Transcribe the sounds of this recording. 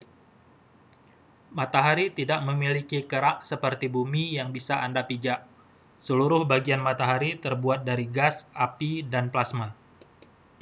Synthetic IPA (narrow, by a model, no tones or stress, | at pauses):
mat̪aɦaɾit̪idaʔməmilikikəɾaʔsəpərt̪ibumijaŋbisaʔandapid͡ʒaʔ | səluɾʊhbaɡianmat̪aɦaɾit̪ərbuat̪̚daɾiɡasʔapidanplasma